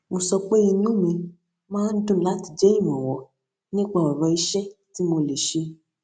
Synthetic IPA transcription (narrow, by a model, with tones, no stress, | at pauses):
mõ˧sɔ˧k͡pe˦i˧nũ˦mĩ˧ | mãː˦n̩˦dũ˦˨˦la˦ti˧d͡ʒɛ˦ĩ˦˨wɔ̃˨wɔ˨ | nĩ˦k͡pa˦˨ɔ˨ɾɔ˧˦i˧˦ʃɛ˦ti˨˦mo˧le˨ʃe˧